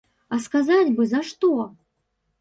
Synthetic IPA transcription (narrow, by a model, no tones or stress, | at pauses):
askazat͡sʲbɨzaʂt̪ɔ